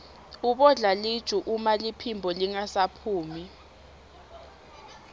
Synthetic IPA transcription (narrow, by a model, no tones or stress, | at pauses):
uɓɔɮaled̥ʒ̥ʱuʔumalipʰimbʱɔliŋasapʰuːmi